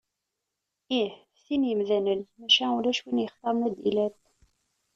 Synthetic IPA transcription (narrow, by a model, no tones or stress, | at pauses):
ih | θinjəmðænəlmæʃænulæʃwinjəχt̪ˤːɑmnæd̪ḭlæt̪